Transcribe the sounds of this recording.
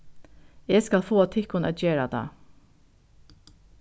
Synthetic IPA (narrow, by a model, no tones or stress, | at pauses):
eːskɑlfoːt̪ʰɪkʊnɛ̰t̪jeːɹad̪ɑ̰ː